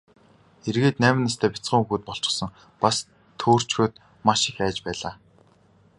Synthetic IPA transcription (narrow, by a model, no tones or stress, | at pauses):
erɣeːt̪næːmɪ̆nːas̬t̪ʰæːpʲit͡sɢə̆ŋuxuːt̪̚pɔɬt͡ɕɪ̥̆sə̆ŋ | pas | t̪ʰoːr̥t͡ɕxoːt̪̚ | maʃɪ̆xæːt͡ɕpæːɮaː